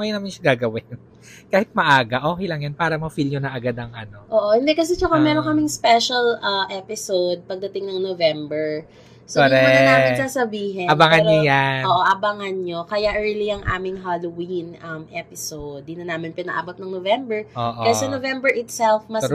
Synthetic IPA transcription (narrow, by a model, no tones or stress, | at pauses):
ŋɐjʊnɐmanʃɐɡaːɡɐwɪn | kaːhɪt̪̚mɐʔaːɡɐʔoːkɪjlɐŋjɐnpaːɾɐmɐfilɲonɐʔɐɡad̪ɐŋʔɐno̞ʔoːʔohɪnd̪ɛkɐs̬ɛt͡ʃɐkamɛːɾoŋkɐmɪŋspɛʃɐlʔɐʔɛpɪsowd̪̚pɐɡ̚d̪ɐt̪ɪŋnɐŋnovɛmbɛɹ | sooɾɛanaːɪnsasɐbiːɦɛɐbaŋanojanʔoːʔoʔɐbɐŋɐnɲokɐjaʔɛɹliɐŋʔa̰ːmɪŋɦalowinʔɐmʔɛpɪsowd̪̚ːinɐnaːmɪnpɪnɐʔa̰ːbot̪̚nɐŋnovɛmbɛɹʔoːʔkɐsɐnovɛmbɛɹʔɪt̪sɛlfmɐ